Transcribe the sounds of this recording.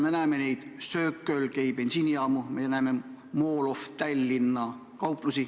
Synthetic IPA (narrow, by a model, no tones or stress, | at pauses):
menæːme̞nejd̪̥søːkːˑølkæjb̥ensiːniɑːmumenæːme | moːloft̪ælʲːinːɑ | kɑwpˑlusi